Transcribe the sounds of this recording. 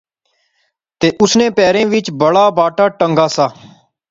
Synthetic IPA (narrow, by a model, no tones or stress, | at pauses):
t̪eːʔʊsnẽːpɛːɾẽːʋɪt͡ʃbəɽaːbaːʈaːʈə̃ŋɡaːsaː